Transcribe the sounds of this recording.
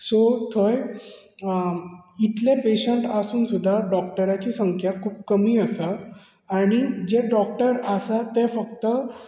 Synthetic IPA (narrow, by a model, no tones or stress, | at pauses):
sot̪ʰoj | it̪lepeɕəɳʈasuːnsud̪ʱːaɖɔk̚ʈəɾat͡ɕiːsəŋkʰjakʰuːp̚kəmiːəsaː | ɽ̃id͡ʑeɖɔk̚ʈəɾəsat̪ːefəkt̪ə